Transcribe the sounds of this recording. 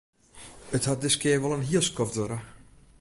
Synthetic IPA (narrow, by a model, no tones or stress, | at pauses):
əthat̚dɪskɪərʋɔlˠənɦiəlˠskɔfdoɾə